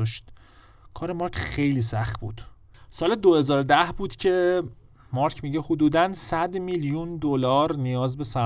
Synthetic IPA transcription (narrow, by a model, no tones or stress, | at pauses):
ʃt̪ | kʰɒːɾe̞mɒːɾcʰxe̞jliːsæχt̪̚bṵːd̪̥ | sɒːled̪ohe̞zɒːɾod̪æhbuːd̪̥cʰe̞ | mɒːɾcʰmiːɟehod̪uːd̪ænsæd̪miljund̪olɒːɾnijɒːzbe̞sæ